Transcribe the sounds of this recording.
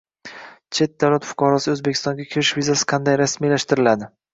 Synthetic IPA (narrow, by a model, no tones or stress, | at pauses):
t͡ʃʰe̞t̪̚d̪awlat̪fʊ̥qʰɒɾɒsɪɵzbekʲʰɪst̪ɒŋɡʲakʲʰɪɾɪʃvizasɪ̥qʰɑnd̪ajɾasmijlaʃt̪ɪɾɪlad̪ɪ